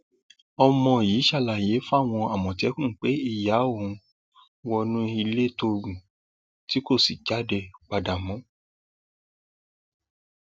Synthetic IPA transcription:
ɔ˧mɔ̃˧˨jiː˨˦ʃa˧˨la˨je˨˦fa˦˨w̃ɔ̃˧a˨mɔ̃˨tɛ˨˦kũ˦˨k͡pe˨˦i˦˨ja˨˦o˦˨ũ˨˧ | wɔ˧nũ˦i˧le˦to˧ɡũ˨ | ti˨˦ko˦˨si˨d͡ʒa˨˦dɛ˧k͡pa˧da˨mɔ̃˨˦

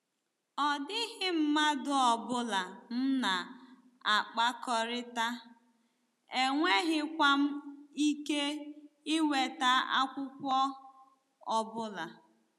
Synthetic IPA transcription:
ɔ˨dɪ˦ɦɪ˦m̩˦ma˦dʊ˦ɔ˨bʊ˦la˨m̩˦na˨ | a˨k͡pa˦kɔ˨ɾɪ˦ta˦ | e˨ŋʷe˦ɦɪ˦kʷa˦m̩˦i˦ke˦ɪ˦we˨ta˦a̰˦kʷʊ˦kʷɔ˦ | ɔ˨bʊ˦la˨

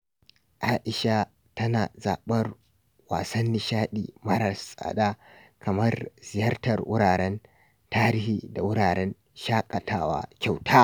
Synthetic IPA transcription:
ʔaː˦ʔɪ˨ʃa˦ | tɐ˦naː˨za̰ː˨ɓɐ˦r | waː˨sɐ˦nːɪ˦ʃaː˦ɗḭː˨mɐ˦ɾɐ˨sʼa̰ː˨ɗaː˦ | kɐ˨mɐ˦rzɪ˨jɐ˦rtɐ˨rwʊ̰˦ɽaː˨ɾɛ˦n | taː˦ɾi˦hiː˦da˨wʊ˦ɽaː˨ɽɛ˦n | ʃaː˦kʼɐ˨tʰaː˦wa̰ː˦kʲa˨wtʰaː˦

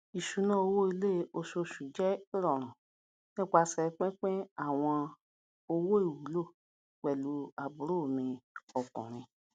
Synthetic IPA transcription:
i˨ʃu˨˦nã˦o˧wo˦i˧le˦o˧so˧ʃu˨d͡ʒɛ˦ɾɔ˦˨ɾ̃ã˨ | nĩ˦k͡pa˧sɛ˧k͡pẽ˦k͡pe˦a˦˨w̃ɔ̃˧ | o˧wo˦i˦˨wu˨˦lo˦˨ | k͡pɛ˨lu˧a˨bu˨ɾo˦˨mĩ˧ɔ˨kɔ̰̃˨ɾ̃ĩ˧

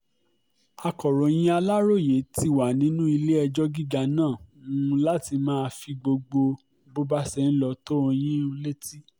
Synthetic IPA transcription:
a˧kɔ˨ɾɔ̃˨j̃ĩ˦a˧la˦ɾo˦˨je˨˦ti˧wa˨nĩ˨˦nũ˦i˧le˦ɛ˧d͡ʒɔ˦ɡi˦ɡa˧nãː˦˨ũ˨˧la˦ti˧mãː˦˧fi˧ɡ͡bo˧ɡ͡bo˧ | bo˦ba˦sɛ˦˧˨n̩˦lɔ˧to˦o˧j̃ĩ˦o˧le˦ti˦

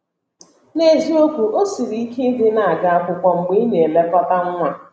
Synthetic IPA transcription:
ne˨zi˦o˦kʷu˨ʔo˦si˨ɾi˦i˦ke˦i˦dɪ˦na˦˨a˨ɡa˦a˦kʊ˨kʷa˨ŋ͡m̩˨ɡ͡bi˦ɲe˨e˨le˦pɔ˦ta˦ŋ̩˦ŋʷa˦

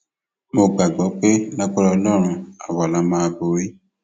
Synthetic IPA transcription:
mo˧ɡ͡ba˨ɡ͡bɔ˨˦k͡pe˦la˦k͡pɔ˦ɾɔ˧lɔ˦ɾ̃ũ˧a̰˨wɔ˨la˨˦mãː˦˧bo˨˦ɾi˦

